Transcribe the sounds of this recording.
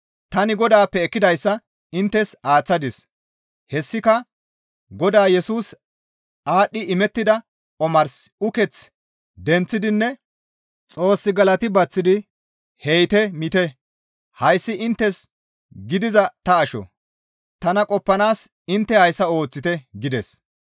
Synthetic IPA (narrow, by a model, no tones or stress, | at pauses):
t̪ɐnɪɡɔd̪aːpːɛːkːɪd̪ɐjsːɐ | ɪnt̪ːɛsaːt͡sːɐd̪ɪs | hɛsːɪkɐ | ɡɔd̪aːjɛsuːs | ʔaːɗːɪɪmɛt̪ːɪd̪ɐ | ɔmɐɾsʊkɛt͡s | d̪ɛnt͡sːɪd̪ɪnːɛ | t͡sʼo̞ːsːɪɡɐlɐt̪ɪbɐt͡sːɪd̪ɪ | hɛjt̪ɛmɪt̪ɛ | hɐjsːɪʔɪnt̪ːɛs | ɡɪd̪ɪzɐt̪ɐːʃɔ̰ | t̪ɐnɐkʼɔpːɐnaːs | ɪnt̪ːɛhɐjsːɐo̞ːt͡sːɪt̪ɛɡɪd̪ɛs